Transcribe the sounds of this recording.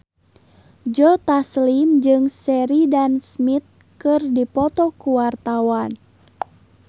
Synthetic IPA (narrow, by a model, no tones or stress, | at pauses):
d͡ʒɔt̪aslimd͡ʒɨŋsɛɾidansmit̪̚ | kɨrdipɔt̪ɔkuwart̪awan